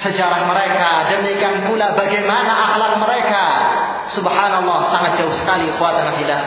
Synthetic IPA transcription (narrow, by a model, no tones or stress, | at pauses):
səd͡ʒaɾaŋməɾekadəmikanpulabaɡajmanaʔaklak̚məɾeka | subhanlˠˤːɔhsaŋat̪̚d͡ʒ̥aʊhsə̥kalixuwat̪ənafila